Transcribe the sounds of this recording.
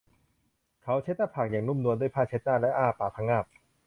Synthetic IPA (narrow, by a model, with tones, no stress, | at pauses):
kʰa˦˥wt͡ɕʰe˦˥t̪̚naː˥˩pʰaː˨˩k̚jaː˨˩ŋnu˥˩˨mnu˧ndu˥˩˨jpʰaː˥˩t͡ɕʰe˦˥t̪̚naː˥˩lɛ˦˥ʔaː˥˩paː˨˩p̚t̪ʰa˧˥ŋːaː˥˩p̚